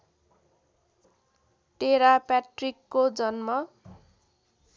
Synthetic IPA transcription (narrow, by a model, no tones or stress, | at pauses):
ʈeɾapaʈrikːod͡zʌnmʌ